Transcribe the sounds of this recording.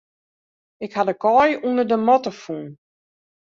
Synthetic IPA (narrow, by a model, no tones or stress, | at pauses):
ɪkhadəkɔjunərdəmɔtəfun